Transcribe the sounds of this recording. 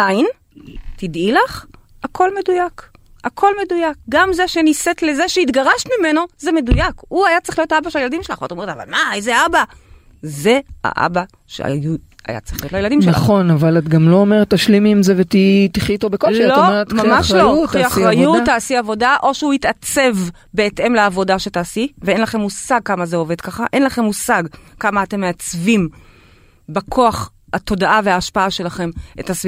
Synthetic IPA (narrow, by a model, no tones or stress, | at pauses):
ajin | tidilaχ | akʰo̞lme̞dujak | akʰo̞lme̞dujak̚ɡamzeʃeniset̪le̞zeʃeit̪ɡaʁaʃmime̞no̞zeme̞dujakuajat͡sʁiχlijo̞taabaʃelajeladimʃelaχvat̪uome̞tava̰lmaejzeaba | ze̞a̰ʔa̰ba | ʃḛa̰jua̰ja̰t͡sʁei̥χliotlajelad̪imʃnea̰χo̞navalat̪ɡamloomeʁet̪ːaʃlimiːmzevet̪it̪iχit̪obekolllometmamaʃlouχiaʁajutːaːsiavo̞daʔo̞ʃeuitat͡se̞v | be̞ːtʔe̞mleavo̞daʃetaːsiveenlaχe̞mːusaɡ̚kamazeo̞ve̞dkaχaʔe̞nlaχe̞mːusaɡkamaːte̞mːeat͡svim | bekʰo̞aχ | ato̞daʔaveaːʃpaaʃe̞laχe̞mʔetasvi